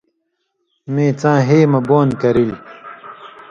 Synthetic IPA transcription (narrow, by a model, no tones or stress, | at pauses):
mẽːt͡sãːɦeːmɐboːnkɐɾil